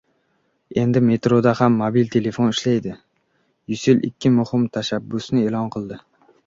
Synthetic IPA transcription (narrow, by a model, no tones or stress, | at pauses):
e̞nd̪ɪme̞t̪ɾod̪ahamːobilt̪ʰe̞le̞fo̞nɪʃlajd̪ɪ | jʊsɪlʔɪ̰kʲʰːɪmʊhɪmt̪ʰaʃabːʊsnɪe̞lɒnqʰɨlˠd̪ɪ